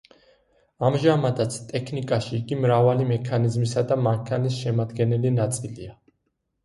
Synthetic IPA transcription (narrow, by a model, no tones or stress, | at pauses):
amʒamad̪at̪sʰt̪ʼɛkʰnikʼaʃiːɡimɾavalimɛkʰanizmisad̪amaŋkʰanisʃɛmad̪ɡɛnɛlinat̪sʼilia